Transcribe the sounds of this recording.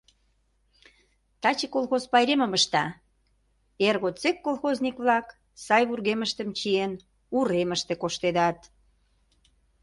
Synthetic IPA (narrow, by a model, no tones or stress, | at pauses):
t̪ɑt͡ɕikolˠxozpɑjɾeməməʃt̪ɑ | erɣot͡sekːolˠxoznʲikβlɑk | sɑjβurɣeməʃt̪əmt͡ɕien | uɾeməʃt̪ekoʃt̪ed̪ɑt̪